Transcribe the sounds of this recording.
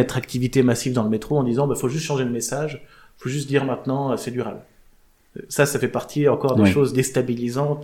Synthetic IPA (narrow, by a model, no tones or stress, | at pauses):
ɛt̪χakt̪ivit̪emasivd̪ɑ̃ləmet̪χoɑ̃d̪izɑ̃bɛfoʒyst̪ʃɑ̃ʒeləmesaʒ | foʒys̬t̪̚d̪iʁmɛ̃t̪nɑ̃øsɛd̪yʁabl | sasafɛpaʁt̪ʰiɑ̃kɔʁd̪eʃozd̪est̪abilizɑ̃t̪